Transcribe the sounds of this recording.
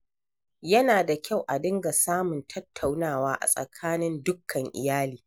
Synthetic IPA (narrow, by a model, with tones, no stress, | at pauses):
jɐ˦naː˨da˨kʲa˦˨wʔa˨dɪ˦ŋɡa˨saː˦mʊ˨ntʰɐ˦tʰːa˨wnaː˦˨waː˦ʔa̰˨sʼɐ̰˨kʰaː˦nɪ˦ndʊ˦kʰːɐ˨ŋʔɪ̰˨jaː˦liː˨